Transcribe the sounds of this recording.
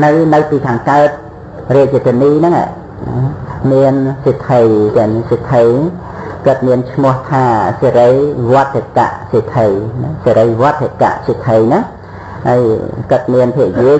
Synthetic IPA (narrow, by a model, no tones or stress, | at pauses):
nɨwnɨwpiːkʰaːŋkaət̪̚ | rɛət͡ɕət̪ʰiəniːnɨŋa̰ | miənsit̪ʰəjt̪ɛnsit̪ʰəjnŋ | kət̪̚miənt͡ɕʰmʊ̆əht̪ʰaːseɾəjʋoət̪ʰːeka̰ʔsit̪ʰəjnseɾəjʋŏət̪ʰːeka̰ʔsit̪ʰəjnɨŋ | haəjkɨt̪̚miənpʰiəʔjiə